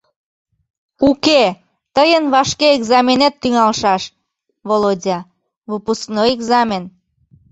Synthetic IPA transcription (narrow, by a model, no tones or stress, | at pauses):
uke | t̪əjənβɑʃkeeɡzɑmʲenet̪ːyŋɑlʃɑʃ | volodʲɑ | vupusknojeɡzɑmʲen